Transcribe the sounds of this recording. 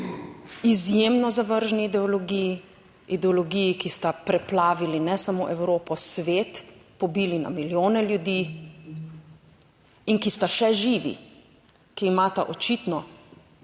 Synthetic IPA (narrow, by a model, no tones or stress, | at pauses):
izjeːmnɔzaʋəɾʒniːd̪ɛɔlɔɡiji | id̪ɛɔlɔɡijikist̪apɾɛplaːʋilinɛsamoːʔɛwɾoːpɔsʋeːt̪pɔbiːlina̰miljoːnɛljud̪i | inkist̪aʃɛʒiːʋḭ | kiːmaːt̪a̰ʔɔt͡ʃit̪nɔ